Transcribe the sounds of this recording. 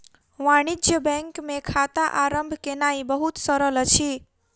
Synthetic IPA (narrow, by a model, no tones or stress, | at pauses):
ʋaɽ̃id͡ʒjəbɛ̃ŋkmekʰat̪aʔaɾəmbʱkenaibəɦut̪səɾələt͡ʃʰi